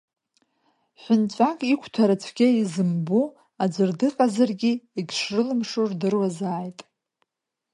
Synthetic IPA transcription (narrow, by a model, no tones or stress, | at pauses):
ħʷʊnt͡ɕʷʼakʼikʷʰtʰaɾat͡ɕʷʰɡʲaizɨmbu | ad͡ʒʷɨrdɨqʼazarɡʲiiɡʲʂrɨlɨmʂurdɨrwazaːjtʼ